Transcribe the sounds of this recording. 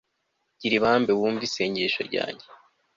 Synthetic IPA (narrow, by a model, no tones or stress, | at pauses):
ɟ̥iɾiβaːmbeβuːɱviseɲɟeʃo̞̰ɾɟa̰ːɲɟe